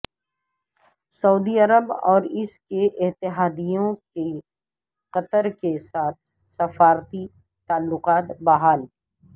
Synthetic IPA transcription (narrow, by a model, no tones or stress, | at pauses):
sɐuːd̪iɐɾəbɔːɾɪskeʔɪt̪ɪɦaːd̪ijõke | qɐt̪əɾkesaːt̪ʰ | sɐfaːɾt̪i | t̪aːlːʊqaːt̪baɦaːl